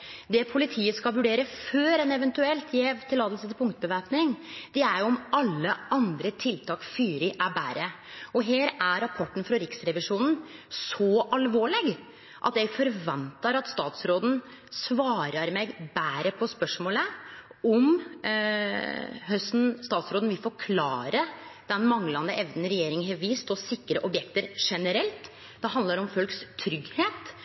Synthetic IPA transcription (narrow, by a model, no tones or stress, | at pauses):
d̪ɛpʰʊlɪt̪ʰiːəskɑlʋʉɖeːɾəføːɾɛnɛʋɛnt̪ʉɛlt̪ʰjɛːʋt̪ʰːɪlːɑːd̪l̩sət̪ɪlpʰʊŋkt̪əbəʋæːpnɪŋd̪̥ɛæɾjʊɔmɑlːəɑnd̪ɾət̪ʰɪlt̪ʰɑːkfyːɾɪʔæbæ̰ːɾə | ɔɦeːɾæɾɑpʰɔʈːn̩fɾɑɾɪksɾɛʋɪʂuːnn̩sɔʔɑlʋoːɭɪɡ | ʔɑ̰t̪jɛɡfɔɾʋɛnt̪ɑɾɑt̪st̪ɑːt̪sɾoːd̪n̩ | sʋɑːɾɑɾmeɡbæːɾəpʰɔspœʂmoːləɔm | ɦœsn̩st̪ɑːt̪sɾoːd̪n̩ʋɪlfɔɾkʰlɑːɾəd̪̥ɛnmɑŋlɑnd̪əʔɛʋd̪nɾɛjeːɾɪŋɦɛʋiːst̪ɔsɪkːɾəʔɔbjɛkt̪əɾʂɛnəɾɛlt̪ | d̪ɛɦɑnd̪ləɾɔmfœlkst̪ʰːɾʏɡheːt̪